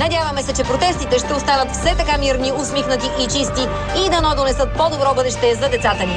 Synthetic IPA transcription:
nɐdʲjavɐmɛsɛt͡ʃɛpɾot̪ɛst̪it̪ɛʃt̪ɛost̪anət̪fsɛt̪ɐkamiɾniosmixnət̪iʔit͡ʃist̪iː | d̪ɐnɔd̪onɛsɤt̪̚pɔd̪obɾɔbɤd̪ɛʃt̪ɛzɐd̪ɛt̪sat̪əni

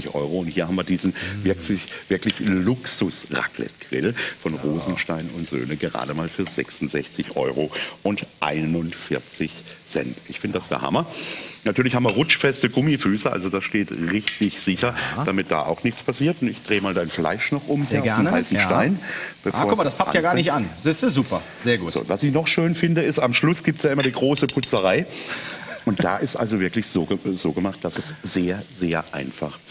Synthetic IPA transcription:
ɪçʔɔ̰ʏʁoʊnthiːɐhamviːɐdiːzn̩vɪɐksɪçv̥ɪɐklɪçlʊksʊsʁa̰kʰlɛ̰tɡ̥ʁɪ̰lfɔnʁoːzn̩ʃtaɪnʊntz̥ø̰ːnəɡəʁa̰ːdəmaːlfyːɐzɛ̰ksʊntz̥ɛçt͡sɪçʔɔ̰ʏʁoʔʊntʔa̰ɪnʊnfɪɐt͡sɪçz̥ɛ̰ntʔɪçfɪndəd̥asj̥a̰ːha̰mɐnatʰyːɐlɪçhamviɐʁʊt͡ʃfɛstəɡʊmifyːsəʔa̰lzodasʃteːtʁɪçtɪçz̥ɪçɐd̥amɪt̚d̥a̰ːʔa̰ʊxnɪçt͡spʰasiːɐtʊntɪçd̥ʁeːəmaːldaɪnfla̰ɪʃnɔχʔʊmhiɐafmnhaɪsn̩ʃta̰ɪnb̥əfoɐʊmadaspʰakjaːɡaːɐnɪçtanzɪszuːpɐ | z̥eːɐɡuːz̥o̰ːvasɪçnɔχʃøːnfɪndəɪstamʃlʊsɡ̥iːp̚tsjaːɪmɐɾiːɡʁoːsəpʰʊt͡səʁaɪ | ʔʊnt̚d̥a̰ːʔɪstʔa̰lzovɪɐklɪçz̥oːəz̥oːɡəmaχt̚d̥asɛsz̥eːɐzeːɐʔa̰ɪnfa̰χt͡s

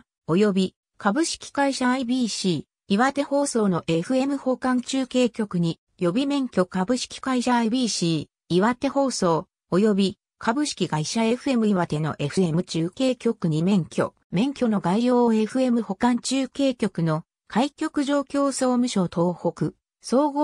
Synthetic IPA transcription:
o̞jo̞bʲi | kabɯ̟ɕi̥kʲi̥ɡ̥aiɕaibʲiːɕiː | βat̪e̞ho̞ːso̞ːno̞ʔe̞ɸɯ̟e̞mɯ̟ho̞kãɲ̟t͡ɕɨːke̞ːkʲo̞kɯ̟ɲ̟i | jo̞bʲimẽ̞ŋkʲo̞kabɯ̟ɕi̥kʲi̥kaiɕaibʲiːɕiː | iβat̪e̞ho̞ːso̞ː | ojo̞bʲi | kʰabɯ̟ɕi̥kʲiɡaiɕae̞ɸɯ̟e̞mɯ̟iβat̪e̞no̞̰ʔe̞ɸɯ̟e̞mɯ̟t͡ɕɨːke̞ːkʲo̞kɯ̟ɲ̟imẽ̞ŋkʲo̞̰ | mẽ̞ŋkʲo̞no̞ɡaijoːe̞ɸɯ̟e̞mɯ̟ho̞kãɲt͡ɕɨːke̞ːkʲo̞kɯ̟no̞ | kʰaikʲo̞kɯ̟ʑo̞ːkʲo̞ːso̞ːmɯ̟ɕo̞t̪ʰo̞ːho̞kɯ̟ | so̞ːɡo

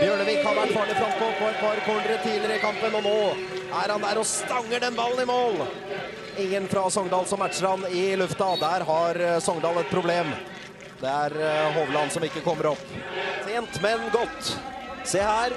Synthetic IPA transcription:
bjøːɳəʋiːkhɑɾʋæʈːfɑːɭɪfɾɑsʰɔpʰɔɛt̪̚pʰɑɾkʰɔɳd̪əɾət̪ʰiːdlɪəɾəɪkɑmpənɔnoː | æɾhɑnd̪æɾɔst̪ɑŋːəɖɛnbɑlːənɪmoːl | ɪŋːənfɾɑsɔŋd̪ɑːlsɔmːæʈʂəɾɑnɪlʉft̪ɑd̪æɾɦɑɾsɔŋd̪ɑːlɛt̪̚pʰɾʊbleːm | d̪ɛæɾɦɔːʋlɑnsɔmɪkːəkʰɔmːəɾɔpːt̪ʰeːnt̪mɛnɡɔt̪ːseːhæːɾ

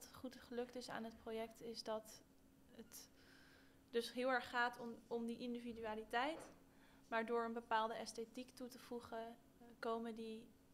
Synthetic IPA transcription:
tχutχəlɵktɪsa̰ːnɦət̚projɛktɪzdɑt | ət | dɵsɦɪːlˠɛɹχːaːtɔmdiʔɪndividyaːlitɛjt | maːɹdʊːɹənbəpaːlˠdəɛstetiktutəv̥uχə | kowməndi

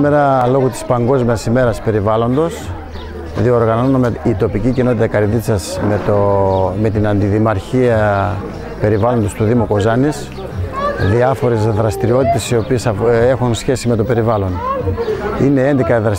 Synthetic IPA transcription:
meɾɐlo̞ɣut̪i̥spɐŋɡo̞zmiɐsime̞ɾɐspe̞ɾivɐlo̞nd̪o̞s | ðio̞ɾɣɐno̞nomeit̪o̞picicino̞t̪it̪ɐkɐɾðit͡sɐsmet̪ome̞t̪inɐnd̪iðimɐɾçiɐ | pe̞ɾivɐlo̞nd̪o̞st̪uðimuko̞zɐnis | ðiɐfo̞ɾezðɾɐst̪iɾio̞t̪it̪e̞sio̞pie̞sɐe̞xunsçe̞sime̞t̪o̞pe̞ɾivɐlo̞n | ine̞end̪ekɐðɾɐs

